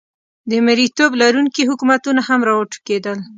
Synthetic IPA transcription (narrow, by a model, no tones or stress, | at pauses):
d̪əmɪɾit̪oblaɾuŋkiɦʊkumat̪unahamɾɑwəʈu̥ked̪əl